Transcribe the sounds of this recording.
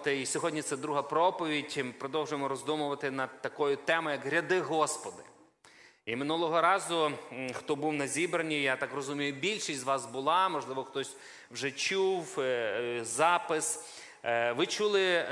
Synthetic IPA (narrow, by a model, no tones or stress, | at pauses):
t̪ɪisʲɔɦɔdʲnʲit̪sɛd̪ɾuɦɐpɾɔpɔʋʲidʲmɪpɾɔd̪ɔwʒʊjmɔɾɔzd̪umʊʋɐt̪ɪnɐd̪̚t̪ɐkɔjʊt̪ɛmʊjɐkɾʲɐd̪ɪɦɔspɔd̪ɪ | imɪnulˠɔɦɔɾɑzʊxt̪ɔbuwnɐzʲibɾɐnʲijat̪ɑkrɔzumʲijʊbʲilʲʃisʲzʋɑsbʊlˠɑmɔʒlˠɪʋɔxt̪ɔsʲ | wʒɛt͡ʃuw | zɑpɪs | ʋɪt͡ʃulˠɪ